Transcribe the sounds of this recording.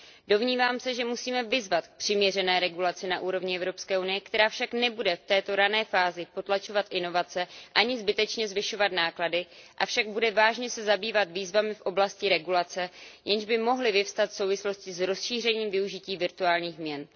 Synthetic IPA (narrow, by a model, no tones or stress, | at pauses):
do̞vɲiːvaːmsɛʒɛmusiːmɛvɪzvat̪pr̥ɪmɲɛrɛnɛːɾɛɡulat͡sɪnaʔuːɾo̞vɲɪʔɛvɾo̞pskɛːʔunɪjɛkt̪ɛɾaːfʃaknɛbudɛft̪ɛːt̪o̞ɾanɛːfaːzɪpo̞t̪lat͡ʃo̞vat̪ʔɪno̞vat͡sɛʔaɲɪzbɪt̪ɛt͡ʃɲɛzvɪʃo̞vat̪naːkladɪʔafʃaɡ̚budɛvaːʒɲɛsɛzabiːvat̪viːzvamɪfʔo̞blascɪɾɛɡulat͡sɛjʔɛnʒbɪmo̞ɦlɪvɪfst̪at̪fso̞wvɪslo̞scɪzɾo̞sʃiːr̝ɛɲiːmvɪuʒɪciːvɪɾt̪uaːlɲiːxmɲɛn